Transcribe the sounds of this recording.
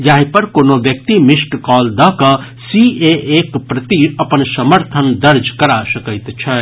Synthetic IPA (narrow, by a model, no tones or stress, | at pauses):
jaɦipəɾkonoʋjək̚t̪imisʈkɔːld̪əkə̃ | sieʔekpɾət̪iɐpənsəməɾt̪ʰənd̪əɾd͡ʒkɐɾasəkəɪt̪t͡ʃʰɛ